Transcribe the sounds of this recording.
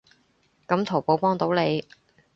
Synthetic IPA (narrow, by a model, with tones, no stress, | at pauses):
kɐ˨˥mt̪ʰo˨˩wpo˨˥wpɔː˥ŋt̪o˨˥wle˨˧j